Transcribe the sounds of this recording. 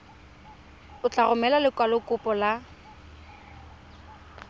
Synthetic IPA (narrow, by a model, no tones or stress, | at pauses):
ʊt͡ɬʼaɣʊmɛlalɪkʼwalʊkʼʊpʼɔla